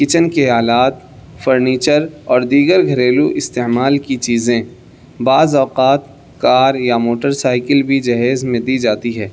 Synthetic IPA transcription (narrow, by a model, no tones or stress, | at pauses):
kɪt͡ʃənkeɦaːlaːt̪ | fəɾniːt͡ʃəɾɔːɾd̪iːɡəɾɡʱɐɾeːluʔɪst̪eːmaːlkit͡ʃiːzẽ | baːzɔːqaːt̪ | kaːɾjamoːʈəɾsaːɪkəlbʱid͡ʒɐɦeːzmẽd̪iːd͡ʒaːt̪iɦɛː